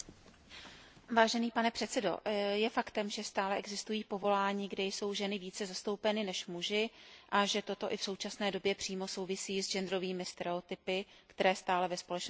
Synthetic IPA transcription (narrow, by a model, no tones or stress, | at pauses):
vaːʒɛniːpanɛpr̥ɛt̪sɛdo̞̰jɛfakt̪ɛmʒɛst̪aːlɛʔɛɡzɪst̪ujiːpo̞vo̞laːɲiːɡdɛjso̞wʒɛnɪviːt͡sɛzast̪o̞wpɛnɪnɛʃmuʒɪʔaʒɛt̪o̞t̪o̞ʔɪfso̞wt͡ʃasnɛːdo̞bjɛpr̝̥iːmo̞so̞wvɪsiːzd͡ʒɛnd̪ɾo̞viːmɪst̪ɛɾɛot̪ɪpɪkt̪ɛɾɛːst̪aːlɛvɛspo̞lɛt͡ʃno